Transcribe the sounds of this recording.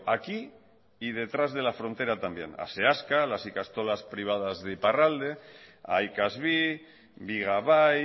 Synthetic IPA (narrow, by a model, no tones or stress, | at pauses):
aki | ið̞e̞t̪ɾazðe̞lafɾo̞nt̪e̞ɾat̪ambje̞̰na̰seaskalasikast̪olaspɾiβ̞að̞azðeiparald̪e̞a̰jkazβi | biɣ̞aβaj